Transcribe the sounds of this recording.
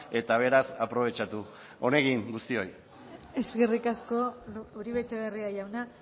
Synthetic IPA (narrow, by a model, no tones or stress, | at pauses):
e̞t̪aβ̞e̞ɾasapɾo̞β̞e̞t͡ʃat̪u | o̞ne̞ɣiŋɡust̪io̞j | e̞zɣe̞rikasko̞uɾiβet͡seβeriaʝawna